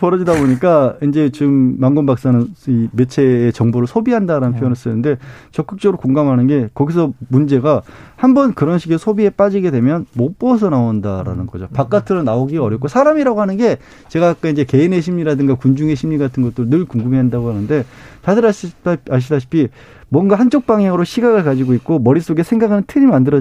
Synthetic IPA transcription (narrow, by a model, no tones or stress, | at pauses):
pʌɾʌd͡ʑidaboɲik͈aind͡ʑe̞t͡ɕiɯmːaŋɡʌnbak̚s͈anɯnime̞t͡ɕʰe̞ːt͡ɕʌŋboɾɯɭsʰobiɦandaɾanɯnpʰojonɯɭs͈ɯnːɯnde̞t͡ɕʌk͈ɯk̚t͡ɕ͈ʌɡɯɾokoŋɡamɦanɯnɡe̞kʌɡis̬ʰʌmund͡ʑe̞ɡahambʌnkɯɾʌnɕʰiɡesʰobie̞p͈ad͡ʑiɡe̞de̞mjʌnmop͈ʌs̬ʰʌnaondaɾa̰nɯnɡʌd͡ʑopak͈atʰɯɾonaoɡiɡaʌɾjʌpk͈osʰaɾamiɾaɡoɦanɯnɡe̞ | t͡ɕe̞ɡakak͈aind͡ʑe̞ke̞ine̞ɕ̬ʰimɲiɾadɯŋɡakund͡ʑuŋe̞ɕʰimɲiɡatʰɯnɡʌt͈̚ɯɾɯnɯɭkuŋɡɯmiɦandaɡohanɯnde̞t͡ɕadɯɾaaɕ̬ʰidaɕʰi̥pʰi | mwʌnɡahant͡ɕ͈ok̚p͈aŋjaŋɯɾoɕʰiɡaɡɯɭkad͡ʑiɡoit̚k͈omʌɾis͈oɡe̞sʰe̞ŋɡaɡɯnɯntʰɯɾimmandɯɾʌ